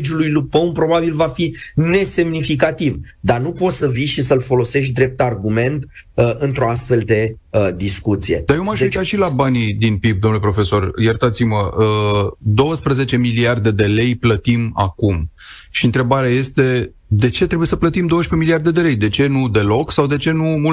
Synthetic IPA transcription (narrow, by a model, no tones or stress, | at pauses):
d͡ʒulujlupəunpɾo̞babilvafine̞se̞mnifik̬at̪ivd̪anupo̞t̪səvijʃisəlfo̞lo̞se̞ʃt̪̬̚ʲd̪ɾe̞p̚t̪arɡume̞nt̪ | ɨnt̪ɾo̞ast̪fe̞ld̪e̞ | d̪iskut̪sijḛd̪ajewmaʃuk̪at̪ʃilabanid̪inpib̚d̪omnulepɾo̞fe̞so̞rjert̪at̪simə | d̪o̞wəspɾəze̞t͡ʃe̞miliard̪e̞d̪e̞le̞jplət̪ima̰kum | ʃiɨnt̪ɾe̞baɾeaje̞st̪e̞ | d̪e̞t͡ʃet̪ɾebuje̞səplət̪imd̪owəʃpe̞miliard̪e̞d̪e̞le̞jd̪e̞t͡ʃe̞nud̪e̞lo̞ksawd̪e̞t͡ʃe̞numu